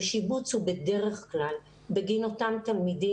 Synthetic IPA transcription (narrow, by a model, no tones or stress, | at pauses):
ʃibut͡shubede̞ʁeχklal | beɡinot̪amt̪almidi